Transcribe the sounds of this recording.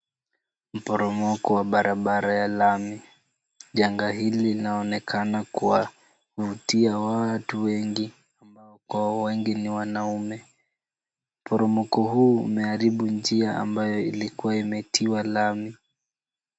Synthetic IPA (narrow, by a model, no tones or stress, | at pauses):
m̩pɔɾɔmɔkɔwaɓaɾaɓaɾajalami | ʄaŋɡaɦililinaɔnɛkʰanakuwa | vutiawatuwɛŋɡi | ambaɔkwawɛŋɡiniwanaumɛ | m̩pɔɾɔmɔkɔɦuːṵmɛaɾiɓund͡ʒiaʔa̰mbajɔilikuwaimɛtʰiwalami